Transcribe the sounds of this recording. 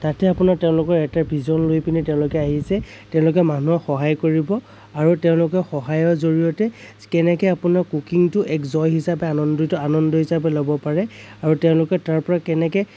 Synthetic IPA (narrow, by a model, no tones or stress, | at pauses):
tatɛapʊnaɹtɛʊ̃lʊkɔɹɛtabʱizɔnlojpinitɛʊ̃lʊkɛaɦisɛtɛʊ̃lʊkɛmanuɔxɔɦajkoɹibɔ | aɹutɛʊ̃lʊkɛxɔɦajɔɹzoɹijɔtɛ | kɛnɛkɛapʊnaɹkukiŋtʊʔɛkzɔjɦisapɛanɔndɔtɔanɔndɔɦisapɛlobɔpaɹɛaɹutɛʊ̃lʊkɛtaɹpɔɹakɛnɛkɛ